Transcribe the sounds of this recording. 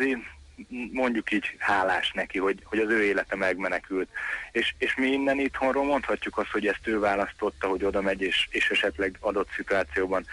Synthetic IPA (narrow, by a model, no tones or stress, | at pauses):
ziː | mo̞ɲɟukiːɟhaːlaːʃnɛkiho̞ɟho̞ɟɒzøːeːlɛt̪ɛmɛɡmɛnɛkylt̪eːʃeːʃmiinːɛnit̪ho̞nroːlmo̞nt̪hɒcːukɒst̪ho̞ɟɛst̪øːvaːlɒst̪o̞t̪ːɒɦo̞ɟo̞d̪ɒmɛɟeːʃeːʃɛʃɛt̪lɛɡɒd̪o̞t̪sit̪uaːt̪sijoːbɒn